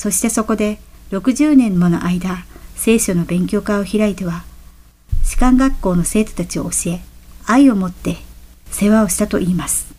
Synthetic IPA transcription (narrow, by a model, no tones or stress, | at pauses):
so̞ɕi̥t̪e̞so̞ko̞d̪e̞ɾo̞kɯ̟ʑɨːnẽ̞mːo̞no̞̰ʔaid̪ase̞ːɕo̞no̞bẽ̞ŋkʲo̞ːkao̞çiɾait̪e̞βa | ʑ̥i̥kãŋɡakːo̞ːno̞se̞ːt̪o̞̥t̪at͡ɕio̞̰ːɕie̞aio̞mo̞t̪ːe̞ | se̞βao̞ɕi̥t̪at̪o̞̰ʔiːmasɨ̥